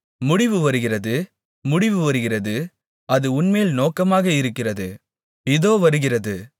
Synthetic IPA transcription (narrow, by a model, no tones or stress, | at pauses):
mʊɽɪʋɯʋɐɾɯɣɪrɐðɯ | mʊɽɪʋɯʋɐɾɯɣɪrɐðɯ | ɐðɯʊnmeːlnoːkɐmaːɣɐɪɾɯkːɪrɐðɯ | ɪðoːʋɐɾɯɣɪrɐðɯ